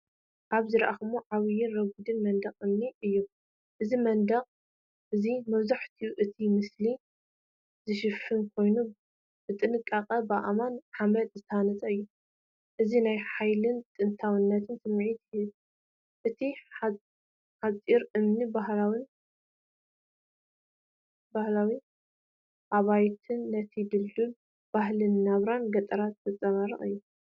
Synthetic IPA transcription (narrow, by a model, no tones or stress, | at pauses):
ʔaβzɨɾɐʔaxɨmuʕaβjɪnɾɐɡud̪ɨnmɐnd̪ɐχʼɨmniʔɨjːu | ʔɨzimɐnd̪ɐχʼ | ʔɨzimɐβzaħt̪ʰijuʔɨt̪ʰimɨsli | zɨʃɨfːɨnkʰo̞jnu | b̥ɨt̪ʼɨnɨkʼːaqʼɐbaʔamanħamɐt̪zɨt̪ʰɐhanɐt̪ʼɐɨjːu | ʔɨzinajħajlɨnt̪ʼɨnt̪ʰawɨnːɐt̪ʰɨnsɨmːʕit̪hɨz | ʔɨt̪ʰi | ħat͡sʼiɾɨmnibahlawin | bahlawi | ʔaβajt̪ʰɨnːɐt̪ʰid̪ɨlːul | b̥ahlɨnːaβɾanɡɐt̪ʼɐɾat̪zɐt͡sʼɐβaɾɨχɨ̰jːu